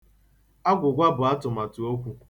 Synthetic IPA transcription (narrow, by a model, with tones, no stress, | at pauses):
a˦ɡʷʊ˨ɡʷa˦bʊ˨a˦tʊ˨ma˨tʊ˨o˦kʷu˦